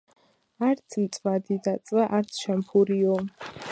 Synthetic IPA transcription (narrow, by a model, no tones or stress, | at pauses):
aɾt̪sʰmt̪sʼmad̪id̪at̪sʼvaʔaɾt̪sʰʃɛmχʰuɾiɔ